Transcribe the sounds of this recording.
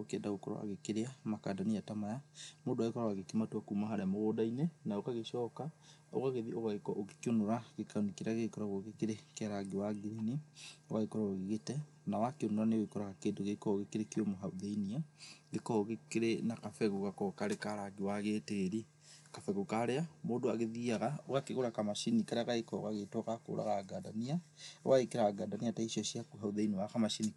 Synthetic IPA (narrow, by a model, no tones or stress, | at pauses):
okeɛndaɣokɔɾɔ̰wa̰ɣekeɾeamakadaniatamajamodwaekɔɾɔwaɣekematuakuːmaɦaɾeamoɣodainɛnaokaɣeʃɔːka | o̰ɣaɣeðioɣaekɔʔoɣe̥keonoɾaɣekanikeɾaɣekɔɾɔɣoɣekeɾekɛɾaɡewaɡiɾinioɣaekɔɾɔoɣeɣetɛ | nawakeonoɾaneowekɔɾaɣakeːndoɣekɔɣekeɾekiomoɦauðeiniaɣekɔɣekeɾenakafɛɣuɣakɔkaɾekaɾaɡiwaɣeːteɾi | kafɛɣukaɾeamoːdoaɣeðiaɣaoɣakeɣoɾakamaʃinikaɾeaɣaekɔɣaɣetɔkako̰ːɾa̰ɣaːɡaːdaniawaekeɾaaɡaːdaniataiʃɔʃiakuɦauðainiwaxamaʃini